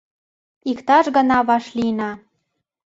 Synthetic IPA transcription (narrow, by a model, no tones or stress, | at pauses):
ikt̪ɑʃɡɤ̆nɑβɑʃlinɑ